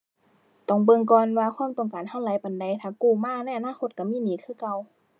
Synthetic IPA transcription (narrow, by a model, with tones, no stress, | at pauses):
t̪ɔ˧˩ŋbɤ˧˨ŋkɔː˧˨nwaː˧xʰwaː˧˥˨mt̪ɔ˨˩ŋkaː˨nha˧˨wlaː˨˦jpa˨nda˨˦jt̪ʰaː˧˩kuː˧˩maː˧˥˨na˧˥˨jʔa˨naː˧˥˨kʰo˧t̪̚ka˧˩miː˧˥˨niː˨˦kʰɯː˧˩˨ka˧˨w